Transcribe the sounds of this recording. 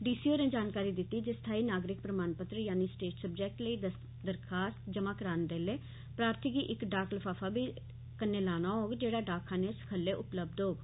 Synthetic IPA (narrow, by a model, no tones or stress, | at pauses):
ɖiːsiːoːnẽːd͡ʒaːnkaːɾiːd̪ɪt̪ːiːd͡ʒɪst̪ʰaːiːnaːɡɾɪk̚pɾəmaːnpət̪ɾəjaːniːsʈeːʈsəbd͡ʒɛːk̚ʈləiː | d̪əɾkʰaːst̪d͡ʒəmãːkəɾaːnd̪eːleː | pɾaːɾt̪ʰikiːʔɪkɖaːklpʰaːfʰaːbiː | kənːeːlaːnaːɦoːɡd͡ʒeːɽaːɖaːkʰãːneːsə̥kʰəlːeːʔʊpləb̚d̪ɦoːɡ